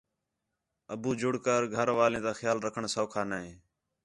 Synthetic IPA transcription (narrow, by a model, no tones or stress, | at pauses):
əbuːd͡ʒʊɽkəɾɡʱəɾʋaːlẽːt̪aːxjaːlɾəkʰəɳsoːkʰaːnaːɦẽː